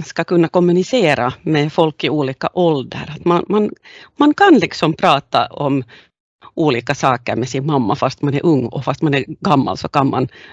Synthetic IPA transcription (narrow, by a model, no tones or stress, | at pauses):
skɑkɵnːakɔmːʉnɪseːɾamɛfɔlkːɪuːliːkaʔɔld̪ə̰ɾat̪manmanmankʰɑnlɪksɔmpʰɾɑːt̪aɔm | ʔuːliːkasɑːkəɾmɛsɪnmamːafast̪manɛɾʔɵŋːɔ̰fast̪manɛɾɡɑmːa̰lsɔkanma̰n